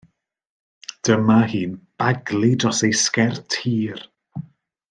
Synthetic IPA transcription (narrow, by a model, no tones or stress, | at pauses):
d̥əmahiːnb̥aɡlˠidrɔsejskɛrtʰiːr